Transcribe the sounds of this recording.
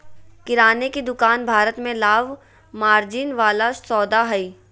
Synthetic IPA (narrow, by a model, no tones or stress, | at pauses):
kɪɾaːnekid̪ʊkaːnbʱaːɾət̪mẽlaːʋ | maːɾd͡ʒɪnʋaːlasɔːd̪aɦɐiː